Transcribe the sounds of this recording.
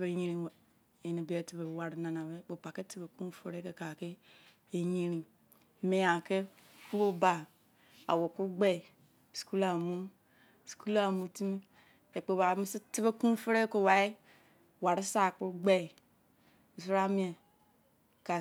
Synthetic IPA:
be˨˦ɲe˦ɾi˦˨ | e˨ne˨be˨˦e˨ti˨be˨wa˨ɾi˨˦na˨na˨be˦˨k͡po˨pa˨ke˦ti˦be˨ku˦fe˦ɾe˦ke˨ka˨ke˦ | e˨ji˦ɾi˨ | me˨ja˨ke˦ | ku˦ɾo˦ba˨ | a̰˨wo˨ku˦ɡ͡be˦˨ | sku˦la˨mu˦˨ | sku˦la˦˨mu˨ti˦mi˦ | e˨k͡po˨ba˨˦mi˦si˦ti˦be˦kũ˦fe˦ɾe˦ko˦˨wa˨i˦ | wa˨ɾi˦sa˨ku˦ɡ͡be˦˨i˨ | mi˨su˦ɾa˦mi˦e˨ | ka˨

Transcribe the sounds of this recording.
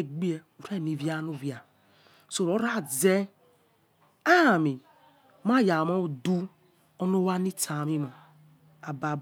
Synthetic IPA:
e˨ɡ͡bi˦e˨u˨ɾe˦˨ni˨vja˦nu˦˨vja˨ | so˨ɾo˦ɾa˦˨ze˦ | a˦˨mi˨ | ma˦˨ja˨ma˦˨du˦ | o˦no˦wa˦ni˦tʰa˨mi˦mo˨ | a˨ba˨

